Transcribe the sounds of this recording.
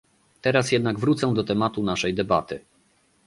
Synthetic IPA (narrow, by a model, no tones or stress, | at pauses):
t̪ɛɾasjɛd̪̚naɡvɾut̪sɛ̃d̪ɔt̪ɛmat̪unaʂɛjd̪ɛbat̪ɘ